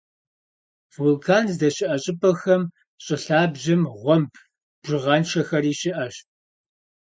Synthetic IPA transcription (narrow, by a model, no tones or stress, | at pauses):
v̥ulkʰaːnzdɐɕɪʔɐɕʼɪpʰʼɐxɐm | ɕʼɪɬaːbʑɐmʁʷɔmpʰ | b̥ʒɪʁɐnʃɐxɐɾiːɕɪʔɐɕ